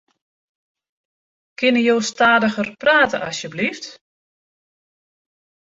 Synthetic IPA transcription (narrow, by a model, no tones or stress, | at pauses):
kɪnəjowstaːdəɣərpraːtəʔɑsjəblift